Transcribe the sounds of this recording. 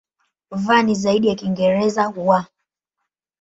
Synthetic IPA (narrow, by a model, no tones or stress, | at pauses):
vanizaiɗijakiŋɡɛɾɛzahuwa